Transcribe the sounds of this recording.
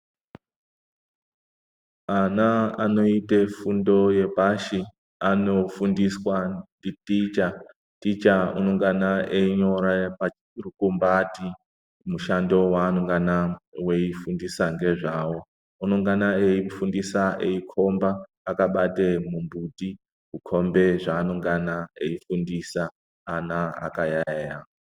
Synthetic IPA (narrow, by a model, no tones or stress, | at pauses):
anaano̞itefundo̞je̞bʱaʃi | ano̞fundiswanditit͡ʃa | tit͡ʃaunoŋɡanaeɲo̞ɾapa | rukumbati | muʃando̞waːnoŋɡanaweifundisaŋɡe̞ʐaːwo̞ | uno̞ŋɡanaeifundisaʔeikʰombaː | kaɓatemumbuti | kukʰombe̞ʐaːnoŋɡanaeifundisaː | naa̰kajaja